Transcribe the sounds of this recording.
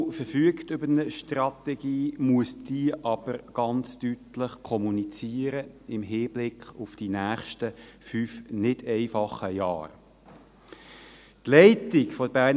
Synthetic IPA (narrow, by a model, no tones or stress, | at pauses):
fəɾfyəktʏbəɾnəʃtrɑt̪ɛɡ̥iːmuəsd̥iːʔɑb̥əɾɡ̥ɑnt͡stytləχkʰɔmunit͡siːəɾəɪmɦɪːb̥lɪkχʊfd̥inæːχʃtəfyːfnɪd̥ɛɪfɑχəjɑ̰ːr | tlɛɪtɪkfɔdəbæːn